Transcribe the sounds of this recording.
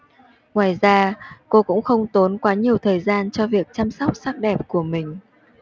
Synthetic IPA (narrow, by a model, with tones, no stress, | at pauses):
ŋwaː˨˩jzaː˧ko˧kʊ̰˧˥ŋ͡mxə˧wŋ͡mt̪o˨˦nkwaː˨˦ɲi˨˩əwt̪ʰəː˨˩jzaː˧nt͡ɕɔ˧vi˨˩ək̚t͡ɕa˧msɔ˦˥wk͡p̚sa˦˥k̚ɗɛ˨˩p̚ku˧˩əmï˨˩ŋ̟